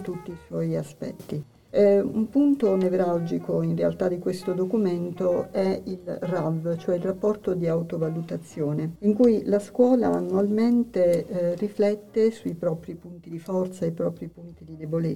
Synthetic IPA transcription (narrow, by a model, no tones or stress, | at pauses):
t̪ut̪ːiːswɔjaspɛ̰t̪ːi | ṵmpunt̪onevɾald͡ʒikoinrea̰lt̪ad̪ikwest̪od̪okument̪oɛilravt͡ʃoɛilrapːɔrt̪od̪iawt̪ovalut̪at̪sːjoːneiŋkujlaskwɔːla̰ːnːualment̪eriflɛt̪ːesuipɾɔpɾipunt̪id̪ifɔrt̪saipɾɔːpɾipunt̪id̪id̪ebole